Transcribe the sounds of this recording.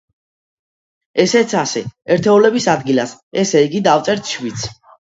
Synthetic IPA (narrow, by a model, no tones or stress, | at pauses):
ɛsɛt̪sʰasɛɛɾt̪ʰɛulɛbisad̪ɡilasɛsɛiɡid̪aft̪sʼɛɾt̪ʰʃvit̪sʰ